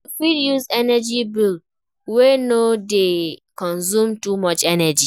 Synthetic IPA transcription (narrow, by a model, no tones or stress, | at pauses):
fidjuzɛnad͡ʒibild | wenodekɔ̃nsũmtumɔt͡ʃɛnɛd͡ʒi